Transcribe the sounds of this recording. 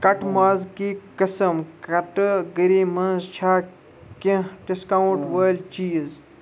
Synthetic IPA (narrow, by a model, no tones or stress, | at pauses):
kɐʈmaːzkikɐsɐmkɐʈɡəɾiːmɐnzt͡ʃʰaː | kĩɖiskawuʈʋəːlt͡ʃiːz